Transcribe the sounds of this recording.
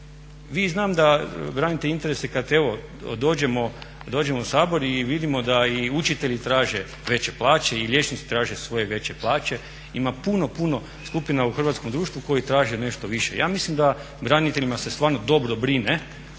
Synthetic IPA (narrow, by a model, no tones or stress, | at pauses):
ʋiːznaːmd̪abɾaːnit̪eint̪e̞ɾesekad̪e̞ʋo̞ | d̪o̞ːd͡ʑemo̞ | d̪o̞ːd͡ʑe̞mousaːbo̞ɾiʋid̪imo̞d̪aiut͡ʃit̪eʎit̪ɾaːʒe | ʋe̞t͡ɕe̞plˠaːt͡ɕeiʎʲje̞t͡ʃnit̪si̥t̪ɾaːʒesʋo̞je̞ʋe̞t͡ɕeplˠaːt͡ɕe̞ | imapunopuno̞ | skupinauxr̩ʋat̪komd̪ɾuːʃt̪ʋuko̞jit̪ɾaːʒene̞ʃt̪oʋiʃe̞̰jaːmislimd̪a | bɾanit̪e̞ʎimase̞st̪ʋaːɾno̞d̪o̞bɾobɾine